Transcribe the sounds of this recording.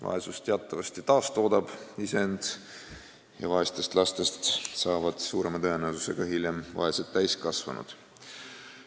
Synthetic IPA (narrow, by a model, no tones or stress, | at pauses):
vɑ̰esust̪e̞ɑt̪ːˑɑvɑst̪it̪ɑːst̪o̞ːd̪ɑb̥isend̪̥ | jɑ̰vɑest̪e̞st̪lɑst̪e̞st̪sɑːvɑd̪̥suːɾe̞mɑt̪ɤe̞newsuse̞ɡ̥ɑhilʲjemvɑ̰eset̪t̪ːæjskɑsvɑ̰nṵd̪̥